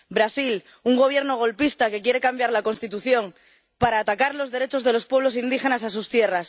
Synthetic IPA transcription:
bɾasil | uŋɡo̞β̞jeɾno̞ɣo̞lpist̪ake̞kje̞ɾe̞kambjaɾlako̞nst̪it̪uθjo̞ŋ | paɾaːt̪akaɾlo̞zðe̞ɾe̞t͡ʃo̞zð̞e̞lo̞spweβlo̞sind̪ixe̞nasas̬ust̪je̞ras

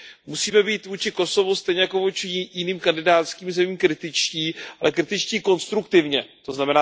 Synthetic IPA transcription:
musiːmɛbiːt̪vuːt͡ʃɪko̞so̞vust̪ɛjɲɛjako̞vuːt͡ʃɪjɪniːmkandɪdaːt̪skiːmzɛmiːmkɾɪt̪ɪt͡ʃciːʔalɛkɾɪt̪ɪt͡ʃciːko̞nst̪ɾukt̪ɪvɲɛt̪o̞znamɛnaː

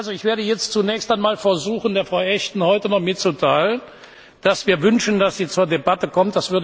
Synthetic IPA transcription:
ʔalzoɪçv̥eːɐɾəjɛt͡stt͡sunɛːçstaɪnmaːlfɛɐzuːxn̩deːɐfʁ̥aʊʔɛçtn̩hɔʏtənɔχmɪtt͡sutʰaɪlən | d̥asv̥iːɐvʏnʃn̩dasz̥iːt͡suːɐdebatəkɔmt̚d̥asv̥ʏɐdə

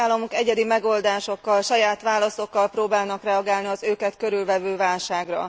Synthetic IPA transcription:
aːlːɒmukɛɟɛd̪imɛɡo̞ld̪aːʃo̞kːɒlʃɒjaːt̪ʋaːlɒso̞kːɒlproːbaːlnɒkrɛɒɡaːlniɒzøːkɛt̪køɾylvɛvøːvaːlʃaːɡrɒ̰

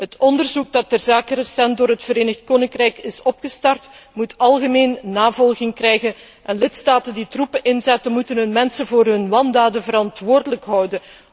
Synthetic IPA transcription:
ɦətʰɔndərzuk̚dɑt̚dɛrzaːkərəsɛnt̚doːrɦətfəɾeːnəxt̚koːnɪŋkrɛjkɪsɔpxəstɑrtmutʰɑlˠɣəmeːnːaːvɔlˠɣɪŋkrɛjɣən | ʔɛnlɪtstaːtənditrupəʔɪnzɛtənmutənɦɵnmɛnsənvoːrɦɵnmɑndaːdənvəɾɑntʋoːrdələkɦɑwdən

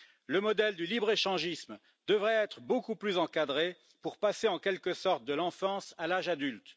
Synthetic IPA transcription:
ləmɔd̪ɛld̪ylibʁeʃɑ̃ʒism | d̪̥əvʁɛɛt̪χəbokuplyzɑ̃kad̪ʁe | puʁpaseɑ̃kʲɛlkəsɔʁt̪̚d̪əlɑ̃fɑ̃salaʒad̪ylt̪

